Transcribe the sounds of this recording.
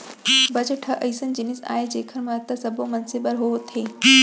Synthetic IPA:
bɐd͡ʑəʈʰəʔɐɪsənɪ̆d͡ʑɪnɪsa̰ːɦed͡ʑeːkʰəɾmãːt̪ɐsɐbʱomɐnsɪbəɾɦoːt̪ʰeː

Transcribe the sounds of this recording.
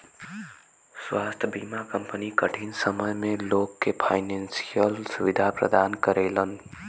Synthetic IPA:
swaːst̪ʰbiːmakə̃mpənikəʈʰinsəməjmẽloːɡkepʰaːɪnɛnsijəlsʊʋɪd̪ʱapɾə̰d̪aːnkəɾeːlən

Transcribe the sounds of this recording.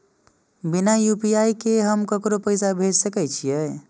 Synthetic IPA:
binajupiaikeɦəmkəkɾopəɪsabʱed͡ʒsəkɛt͡ʃʰijɛ

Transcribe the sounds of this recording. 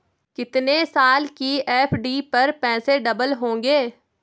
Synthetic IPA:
kɪt̪nesaːlkiɛːpʰɖiːpɐɾpɛ̃ːseɖɐbəlɦõːŋɡeː

